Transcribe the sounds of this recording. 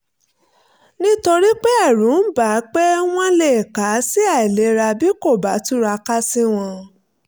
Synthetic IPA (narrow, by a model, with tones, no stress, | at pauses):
nĩ˦to˧ɾi˦k͡pe˦a˦˨ɾũ˨˦ba˨˦k͡pɛ˦w̃ɔ̃˦le˦˨ka˨˦si˦a˦˨i˨le˨˦ɾa˧bi˦ko˦˨ba˨˦tu˦ɾa˧ka˦si˦w̃ɔ̃˧